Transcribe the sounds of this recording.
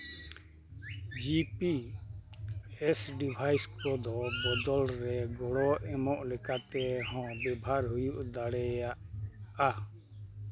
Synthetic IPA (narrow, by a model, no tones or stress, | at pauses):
d͡ʒipi | ɛsɖibʱajskɔd̪ɔbɔd̪ɔlɾɛɡɔɽɔʔɛmɔʔlɛkat̪ɛɦɔ̃bɛbʱaɾɦujuʔd̪aɽɛjaʔa